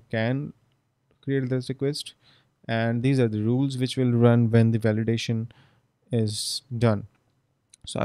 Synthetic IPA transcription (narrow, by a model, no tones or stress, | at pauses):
kɛ̃n | kɾieːʈ̚d̪ɪsʈɪkwɛsʈ | ʔɛ̃ɳɖd̪iːzaːɾd̪əɾuːlzʋɪt͡ʃʋɪlɾʌ̃nʋɛ̃nd̪iʋælɪɖeːʃə̃n | ɪzɖʌ̃n | so̰